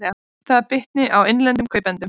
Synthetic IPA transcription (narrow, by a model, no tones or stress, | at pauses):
a | θaðaɾpɪht̪nɪʔawɪnlɛnt̪ʏmkʰœːɥpɛnt̪ʏm